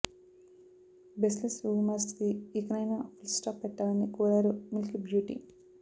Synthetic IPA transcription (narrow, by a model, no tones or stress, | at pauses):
beslesuːmaskiikɐnɐjnaːpʰulsʈaːpːɛʈːaːlɐnːikuːɾaːɾumilkibjuːʈḭ